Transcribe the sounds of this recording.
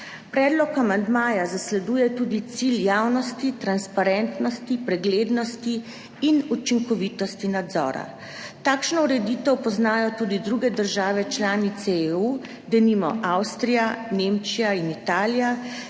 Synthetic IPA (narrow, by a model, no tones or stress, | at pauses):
pɾɛːd̪lɔkamand̪maːjazaslɛd̪uːjɛt̪uːd̪it̪siljaːwnɔst̪it̪ɾanspaɾɛnt̪nɔst̪ipɾɛɡleːd̪nɔst̪iː | nut͡ʃiŋkɔʋiːt̪ɔst̪inad̪zɔ̰ːɾa̰ | t̪aːkʃnɔuɾɛd̪iːt̪ɛwpɔznaːjɔt̪uːd̪id̪ɾuɡɛd̪əɾʒaːʋɛt͡ʃlaːnit̪sɛeu | d̪ɛnimɔ̰ʔawst̪ɾijanemt͡ʃijainit̪aːlija